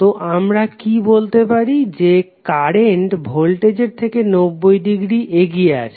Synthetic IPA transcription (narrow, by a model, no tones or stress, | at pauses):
t̪oʔamɾakibolt̪epaɾid͡ʑekaɾeɳʈbʱolʈed͡ʑeɾt̪ʰekenobːojɖiɡɾiʔeɡijea̰t͡ɕʰe